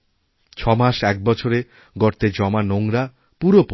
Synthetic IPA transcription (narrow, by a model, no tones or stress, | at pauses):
t͡ɕʰɔmaʃɛk̚bɔt͡ɕʰoɾe | ɡɔɾt̪ed͡ʑɔmanoŋɾa | puɾop